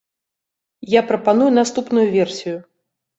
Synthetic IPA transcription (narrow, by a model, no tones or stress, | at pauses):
japɾɐpanujunast̪upnujuvʲɛrsʲijʊ